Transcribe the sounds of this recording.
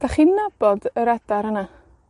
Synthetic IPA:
d̥aχinnab̥ɔdəɾɛdaɾəna

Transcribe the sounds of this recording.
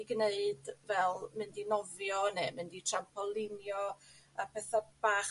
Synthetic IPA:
iɡneɨdvɛlˠmɪndinɔvjɔnemɪnditʰrampʰɔlˠɪnjɔ | apʰɛθabaχ

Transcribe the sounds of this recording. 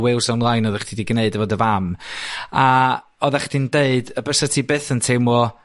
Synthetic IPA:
wɪlˠsɔmlˠajnɔðɛχd̥idiɡneɨdəvɔdəvam | a | ɔðɛχd̥indeɨdəbəsətʰibɨːθəntʰewmɔ

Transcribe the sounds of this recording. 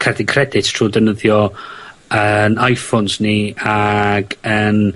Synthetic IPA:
kʰɛrdikʰrɛdɪtʰr̥uːdənəðjɔ | ənajfɔnsniaɡən

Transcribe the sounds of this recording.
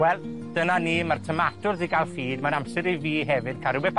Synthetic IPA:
wɛlˠ | d̥ənaniːmartʰəmatʊrziɡalˠfiːdmanamsɛɾiviːɦɛvɨd̥kʰaɾʊbɛpʰ

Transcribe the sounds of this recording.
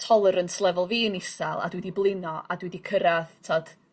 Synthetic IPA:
tʰɔlˠəɾənsʰlˠɛvɔlˠviːnɪsalˠa̰dwɛdiblˠɪnɔʔadwidikʰəɾaθtʰad̥

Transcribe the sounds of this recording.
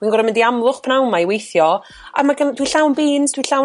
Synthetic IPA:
winɡɔɾamɪndiamlˠʊχpʰnawmaiwejθjɔ | a̰maɡəndwiɬawnbiːnsd̥ʰwiɬaw

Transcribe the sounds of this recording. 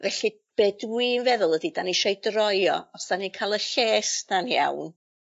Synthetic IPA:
vɛɬi | b̥edwiːnvɛðʊlˠədid̥aniʃejdrɔjɔ̰ɔsd̥aninkʰaːlˠəɬeːsd̥anja̰wn

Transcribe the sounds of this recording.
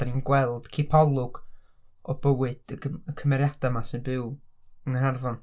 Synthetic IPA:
ninɡwɛlˠd̥kʰipʰɔlˠʊɡ̥ | ɔbəwɨd̥əkʰəmɛɾjad̥amasɪnbɨwəŋənarvɔn

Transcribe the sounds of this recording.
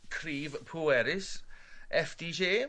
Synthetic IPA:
kʰɾiːvpʰuːɛɾɪsʔɛfd̥iːʃeː

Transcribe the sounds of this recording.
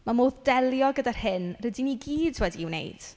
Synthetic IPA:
mamoːðdɛlˠjɔɡədarhɪnrədiniɡiːdwɛdiːwnḛjd̥

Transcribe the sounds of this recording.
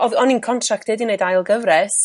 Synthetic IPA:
ɔðɔninkʰɔntʰrak̚tɪdineɨdajlˠɡəvrɛs

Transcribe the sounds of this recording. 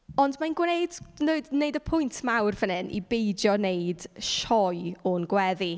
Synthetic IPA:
ɔndmanɡwnejdnodneɨjdəpʰʊjntʰmawrvənɨnʔḭbejdjɔneɨd̥ʃɔjonɡwɛði

